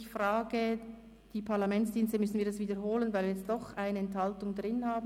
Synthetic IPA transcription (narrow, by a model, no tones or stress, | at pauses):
çfʁaːɡə | d̥iːpʰaʁlamɛntsd̥iːnstəmʏsn̩viːɐdasv̥iːdəɾɦoːlənvaɪlviːjɛt͡sst̚d̥ɔχʔaɪnəɛnthaltʊŋdʁɪnhaːb